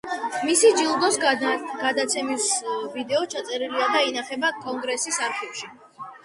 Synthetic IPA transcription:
misid͡ʒilˠd̪ɔsɡ̥ad̪at̪sʰɛmisvid̪ɛɔt͡ʃʰat̪sʼɛɾiliad̪ainaχɛbakʼɔŋɡɾɛsisaɾχɛfʃi

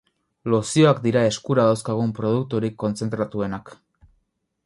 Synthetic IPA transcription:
lo̞sio̞akd̪iɾae̞skuɾaðawskaɣ̞umpɾo̞ð̞uk̚t̪uɾikːo̞nt͡se̞nt̪ɾat̪ue̞nak

